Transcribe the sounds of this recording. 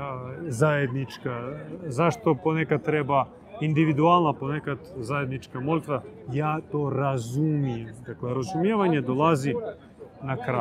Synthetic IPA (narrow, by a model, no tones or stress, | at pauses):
zajed̪nit͡ʃkazaʃt̪o̞ponekad̪̚t̪ɾeba | ind̪iʋid̪ualˠnapo̞nekad̪zaje̞d̪nit͡ʃkamolit̪ʋajaːt̪o̞ːɾazumijemd̪akleɾazumjeːʋaɲed̪olˠazi | nakɾa